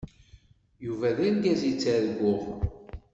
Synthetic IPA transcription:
juvæðænɡæzit͡sːæðəɡʷːʊʁ

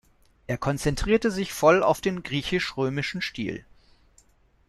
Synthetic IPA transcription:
ʔeːɐkʰɔnt͡sɛntʁ̥iːɐtəzɪçfɔla̰ʊfd̥eːnɡʁiːçɪʃʁøːmɪʃn̩ʃtḭːl

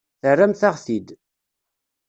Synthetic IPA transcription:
θərːæmθaʁθid̪

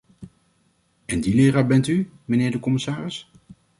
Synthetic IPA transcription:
ɛndilɪːraːbɛnty | mənɪːɹdəkɔmɪsaːrɪs

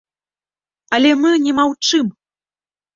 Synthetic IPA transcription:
ɐlʲɛmɨnʲɛmawt͡ʂɨm

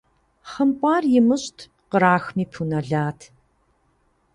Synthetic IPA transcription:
χɐmpʼaːrjɪmɨɕtʰ | qəɾaːxmiːpʰunɐɮaːtʰ

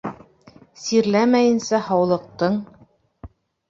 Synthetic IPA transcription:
siɾlæmæjɘ̆nsæhɑwlˠɤ̆q̚t̪ɤɴ

